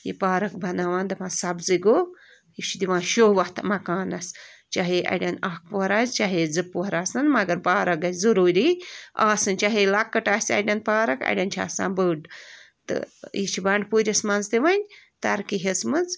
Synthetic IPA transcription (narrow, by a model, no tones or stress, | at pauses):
jḭpaːɾɐkbʱɐnaːʋãːnd̪ɐmãːsɐbzɨɡoː | jit͡ʃʰud̪iʋãːʃoːʋɐht̪mɐkaːnɐst͡ʃaɦeʔɐ̰ɖʲɐnaːk̚puɦɐɾaːzt͡ʃaɦed͡zɨpːuɐɾaːsɨnmɐɡɐɾpaːɾɐk̚ɡɐzɐɾuːɾiaːsɨnt͡ʃaɦelɐkːɐʈaːsʲɐ̰ɖʲɐnpaːɾɐkɐ̰ɽʲɐnt͡ʃʰa̰ːsã̰ːnbəːɖ | t̪ɨ̰jit͡ʃʰibɐɳɖpuːɾʲɐsmɐnzt̪iʋɐnʲt̪ɐɾkiɦesmɨnz